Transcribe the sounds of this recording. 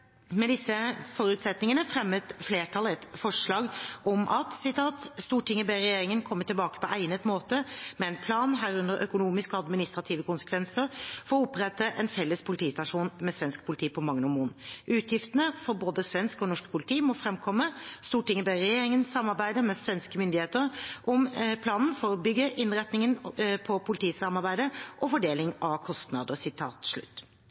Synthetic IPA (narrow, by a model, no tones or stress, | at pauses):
mɛd̪ɪsːəfɔɾʉːt̪sɛt̪nɪŋənəfɾɛmːət̪fleːʈʰɑlɛt̪fɔʂɭɑːɡɔmʔɑt̪sɪt̪ʰɑːt̪st̪uːʈʰɪŋːəbæɪɾɛjeːɾɪŋənkʰɔmːəʈ̪ɪlbɑːkə̥pɔʔæɪnət̪moːt̪əmɛɛnpʰlɑːnɦæːɾʉnd̪əɾʔœkʊnuːmɪskɔɑd̪mɪnɪst̪ɾɑt̪ʰiːʋəkʊnsə̥kʰʋɛnsəɾfɔɾɔʊpɾɛt̪ːəʔɛnfɛlːəspʰʊlɪt̪ʰiːst̪ɑʂuːnmɛsʋɛnsk̚pʰʊlɪt̪ʰiːpʰɔmɑŋːnəmuːnʔʉːt̪ʰjɪft̪ənəfɔɾboːd̪əsʋɛnskɔnɔʂkpʰʊlɪt̪ʰiːmɔfɾɛmkʰɔmːəst̪uːʈɪŋːəbeɾɛjeːɾɪŋənsːɑmːɑɾbæɪd̪əmɛsʋɛnskəmʏnd̪ɪheːt̪əɾʔɔmpʰlɑːnn̩fɔɾɔbʏɡːəʔɪnʁɛt̪nɪŋənpʰɔpʰʊlɪt̪ʰiːsɑmɑɾbæɪd̪əʔɔfɔɖeːlɪŋɑkʰɔst̪nɑ̰d̪əsɪt̪ʰɑ̰ːt̪ʂɭʉ̰t̪ː